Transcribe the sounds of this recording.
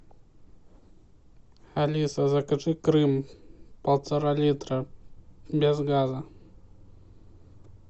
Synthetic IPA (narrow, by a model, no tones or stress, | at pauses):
xalʲisɐzɐkɐt͡ʂɨkɾɨmpɐlˠt̪sɐɾalʲit̪ɾɐ | bʲɛzɣazɐ